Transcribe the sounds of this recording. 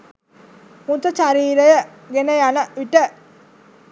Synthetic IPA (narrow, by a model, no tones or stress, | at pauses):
unt̪ət͡ʃaɾiːɾəjə | ɡenəjanəʋiʈə